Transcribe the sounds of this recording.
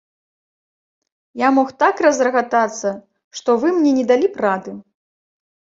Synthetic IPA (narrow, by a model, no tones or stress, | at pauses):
jamɔxt̪akrɐzrɐɣat̪at̪sːɐ | ʂt̪ɔvɨmnʲɛnʲɛd̪alʲipɾad̪ɨ